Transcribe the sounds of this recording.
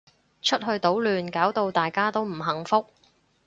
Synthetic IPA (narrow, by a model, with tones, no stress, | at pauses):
t͡ʃʰɵ˥t̚hɵ˧ɥt̪o˨˥wlyː˨nkaː˨˥wt̪o˧wt̪aː˨˩jkaː˥t̪o˥wm̩˨˩ɦɐ˨˩ŋfʊ˥k̚